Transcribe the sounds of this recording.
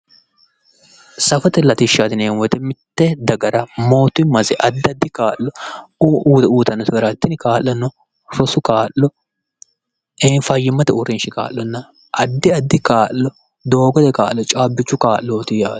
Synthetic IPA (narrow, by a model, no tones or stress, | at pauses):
sɐfɐt̪ɛlɐt̪ɪʃːaːt̪ɪneːwɔt̪ɛmɪt̪ːɛd̪ɐɡɐɾɐmoːt̪ːʊmɐzɛʔɐd̪ːɪɐd̪ːɪkaːʔːɔː | t̪uːt̪ɐnːɔt̪ɐɡɐɾat̪ːɪnɪkaːlːɔnːɔ | ɾɔsʊkaːʔːɔ | eːnfɐjːɪmɐt̪ɛʊɾɪnʃɪka̰ːʔːɔnːɐ | ʔɐd̪ːɪɐd̪ːɪkaːʔːɔ | d̪oːɡɔt̪ɛkaːlːɔt͡ʃʼaːbːɪt͡ʃːʊkaːʔːoːt̪ɪjḁː